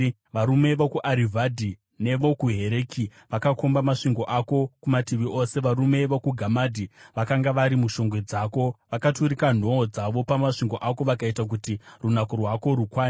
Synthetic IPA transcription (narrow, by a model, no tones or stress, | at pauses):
ʋaɾume̞ʋokuʔaɾivʱadʱi | ne̞ʋo̞kuɦe̞ɾe̞kʰiʋakakombamaʂiŋɡo̞ʔako̞kumatiʋiʔose̞ʋaɾume̞ʋokuɡʱamadʱiʋakaŋɡaʋaɾimuʃo̞ŋɡwe̞d͡zaːko̞ʋakatuɾikan̤o̞ːd͡zaʋo̞pamaʂiŋɡo̞ʔako̞ʋakaitak̬utirunakorwako̞ɾukwaːn